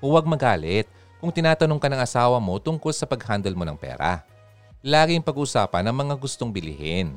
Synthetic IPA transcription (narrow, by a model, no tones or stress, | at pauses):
wɐɡ̚mɐɡaːlɛt̪̚ | kʊŋt̪ɪnaːt̪ɐnoŋkɐnɐŋʔɐsaːwɐmo̞t̪ʊŋko̞lsɐpɐɡhand̪ɐlmo̞nɐ̰ŋpɛ̰ːɾa̰ | laːɡɪŋpɐɡuːʔʊsaːpɐnːɐŋmɐŋaɡʊst̪o̞ŋbɪlɪ̰hɪn